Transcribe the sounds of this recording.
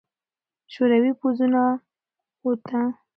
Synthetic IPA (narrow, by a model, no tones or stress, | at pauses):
ʃoɾawipozuna | ot̪a